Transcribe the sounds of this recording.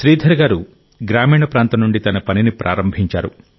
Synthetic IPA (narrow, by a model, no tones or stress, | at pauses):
ʃɾiːd̪ʱɐɾɡaːɾu | ɡɾaːmiːɳɐpɾaːnt̪ɐnuɳɖit̪ɐnɐpɐninipɾʔa̰ːɾɐmbʱiɲt͡ʃaːɾu